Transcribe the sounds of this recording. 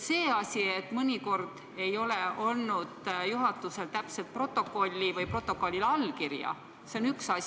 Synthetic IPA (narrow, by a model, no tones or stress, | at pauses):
se̞ːɑsʲiet̪ːmɯnʲiko̞rd̪̥ | e̞jo̞leo̞lnud̪̥juɦɑt̪ːuse̞lt̪æpse̞lt̪̚pro̞t̪ːˑo̞kːˑo̞lʲːivɯjpro̞t̪ːˑo̞kːˑo̞lʲːilɑlːkirjɑ̰ | seonyksɑs